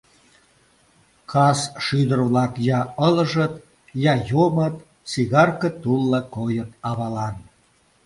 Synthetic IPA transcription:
kʰɑsʃyd̪ərβlɑkjɑələʒə̆t̪̚ | jɑjomət̪ | siɣɑrkət̪ulːɑkojət̪̚ɑβɑlɑn

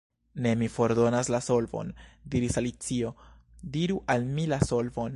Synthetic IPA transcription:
ne̞mifo̞ɾdo̞naslaso̞lvo̞̰ndiɾisalit͡sio̞ | diɾuʔalmilaso̞lvo̞n

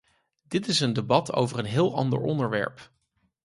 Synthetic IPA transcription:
d̥ɪtɪsəndebɑtʰo̰wvərənɦɪːlˠɑ̰ndə̰ɹɔndəɹʋɛ̰ɹp

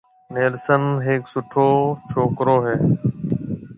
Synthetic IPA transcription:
neːlsənɦeːksʊʈʰoːt͡ʃʰoːkɾoːɦeː

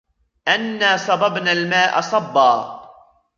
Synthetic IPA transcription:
ʔanːaːsˤɑbɑbnalmaːʔɑ̰sˤɑbːɑː

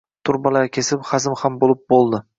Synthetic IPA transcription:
t̪ʰʊɾbalaɾkʲʰe̞sɪpχazɪmhambolˠɪp̚bolˠd̪ɪ

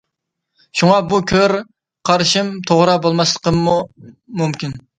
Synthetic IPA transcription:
ʃuŋɑbukʲʰøɾ | qʰɑɾʃimt̪ʰoʁɾɑbolˠmɑslˠə̥qʰəmːumumkʲin

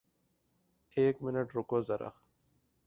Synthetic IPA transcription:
eːkmɪnɐʈɾukozɐɾʔɐ̰x

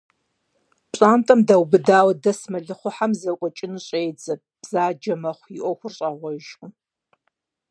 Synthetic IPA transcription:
pɕʼaːmtʼɐmdɐwbɨdaːwdɐsmɐɮɨχʷʊħamzɐkʷʼɔt͡ʃʼɪnuɕʼeːd͡zɐ | b̥z̥aːd͡ʒɐmɐχʷjiʔʷɔxʷʊrɕʼɐʁʷɔʒʼʊ

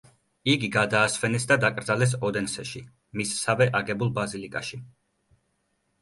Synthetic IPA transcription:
iɡiɡad̪aːsvɛnɛsd̪ad̪akʼɾd̪zalɛs̬ɔd̪ɛnsɛʃi | missavɛʔaɡɛbulˠbazilikʼaʃi

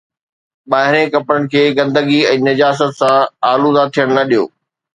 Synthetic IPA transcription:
ɓaːɦɪɾẽkɐpɾəɽɪ̆kʰeːɡɐ̃nd̪əɡiɛ̃ːnɐd͡ʑaːs̬ət̪sãaːluzat̪ʰːijəɽ̃nɐɗijo̰ː

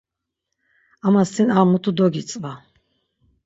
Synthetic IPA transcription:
amasʰinaːmut̪ʰud̪ɔɡit͡sʼva

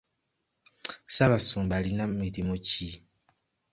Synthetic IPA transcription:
saβasumbalinamidimot͡ʃi

